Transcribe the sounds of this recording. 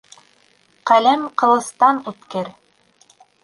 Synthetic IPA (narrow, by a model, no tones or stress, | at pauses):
qælæmqɤ̆lˠɤ̆θt̪ɑnʉt̪kɘɾ